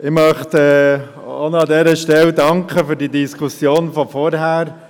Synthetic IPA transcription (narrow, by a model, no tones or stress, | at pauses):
ɪmœχt̪ɛ | o̰noɑdɛːɾəʃtɛldɑŋkχəfyːɾdiːdiskʰusjoːnfɔfɔɾɦæːɾ